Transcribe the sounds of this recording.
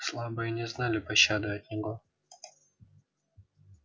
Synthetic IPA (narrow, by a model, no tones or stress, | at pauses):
slˠabɨjənʲɪznalʲɪpɐɕːad̪ʊɐtʲnʲɪɡo